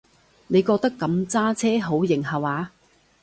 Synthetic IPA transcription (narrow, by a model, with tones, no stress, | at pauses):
ne˨˧jkɔː˧k̚t̪ɐ˥kːɐ˨˧mt͡saː˥t͡sʰɛː˥ɦo˨˥wjɪ˨˩ŋhɐ˨˩waː˨˧